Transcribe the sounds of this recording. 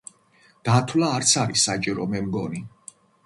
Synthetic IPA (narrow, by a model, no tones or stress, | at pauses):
d̪̥at̪ʰwlaːɾt̪sʰaɾisat͡ʃʼiɾɔmɛmɡɔni